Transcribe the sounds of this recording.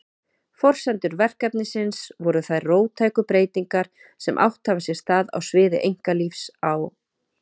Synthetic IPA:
fɔr̥sɛnt̪ʏɾvɛr̥kɛpnɪsɪnsvɔɾʏθaðroːwt̪ʰaːjkʏpɾeːjt̪iŋkaɾ̥ | sɛmʔa̰wht̪havasjɛ̥st̪aːða̰wsvɪːðɪ̰ʔejŋ̥kalifsaw

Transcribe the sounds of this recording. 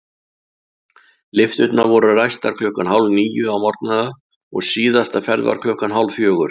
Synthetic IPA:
lɪft̪ʏt̪navɔɾarajst̪aɾ̥kʰlœhkanhawlniːjʏawmɔɾt̪̚naða | ɔɣsiːðast̪afɛɾðva̰ɾ̥kʰlœhkanɦawlfjœːɣʏɾ̥

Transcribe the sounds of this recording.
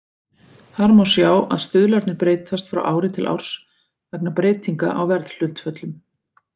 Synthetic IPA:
θaɾmawsjaːwʔa̰ðst̪ʏðlaɾt̪nɪpɾeːjt̪ast̪fɾa̰wʔaːwɾɪt̪ʰɪlʔa̰wɾ̥s | vɛp̚napɾeːt̪iŋka̰ʔawvɛɾðl̥ʏl̥t̪fœt̪lʏm

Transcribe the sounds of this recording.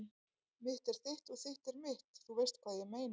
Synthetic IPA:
mɪht̪ɛɾ̥θejht̪ɔɣθejht̪ɛɾmɪht̪θuvɛɾst̪kʰvaːðjɪmeːjn

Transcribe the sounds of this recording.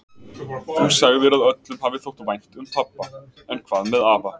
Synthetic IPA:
unsaɣðɪɾaðœt̪lʏmhavɪθowht̪vajn̥t̪ʏmpʰapːa | ɛnkʰvaːðmɛðaːva

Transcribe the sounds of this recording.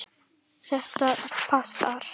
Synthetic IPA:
θɛht̪apʰasa̰ɾ̥

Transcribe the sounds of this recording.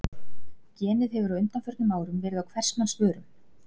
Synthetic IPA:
cɛːnɪðɦɛvʏɾaʏnt̪anfœɾt̪nɪmaːwɾʏmvɛːɾɪðawkʰvɛr̥stnansvœːɾʏm

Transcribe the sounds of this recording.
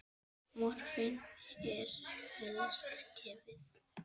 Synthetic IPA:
mɔɾ̥fɪnɛɾ̥lɔst̪cʰɛːvɪθ

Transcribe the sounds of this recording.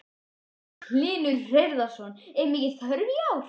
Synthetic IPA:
kʰlɪːnʏɾrejɾðasɔnɛɾmɛcɪθaɾvjaw

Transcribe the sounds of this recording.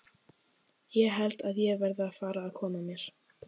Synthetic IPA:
jɛɣɦɛlt̪aðjɛɣvɛɾðɪaðfaːɾaːðkʰɔːmamjɛɾ̥

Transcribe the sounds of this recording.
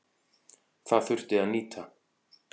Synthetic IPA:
θaðθʏr̥t̪ɪaðniːt̪ʰa

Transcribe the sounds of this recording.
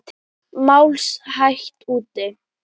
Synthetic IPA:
t̪ʰ | mawlshaçt̪uːt̪ːɪ

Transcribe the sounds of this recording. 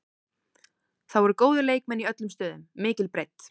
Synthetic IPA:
θawɛɾʏɾkoːwðʏleːjk̚mɛnːiœt̪lʏmst̪œːðʏmːɪːcɪlpɾejt̪

